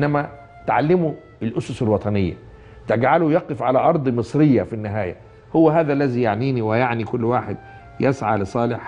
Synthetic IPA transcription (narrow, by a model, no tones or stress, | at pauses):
ʔnːæmæ | t̪ʕalːɪmu | ɪlʔʊsʊsɪlwɑt̪ˤɑnɪjːæ̰ | t̪ɪɡʕalujɑqefʕalæʔɑɾˤd̪ˤmɨsˤɾɪjːafinːɪɦæːjæ̰ | hʊwːæɦæːðæʔlːæzijaʕniːniwɪjaʕnikʊlːwaːħed̪̚ | jesʕalɪsˤɑːlɪħ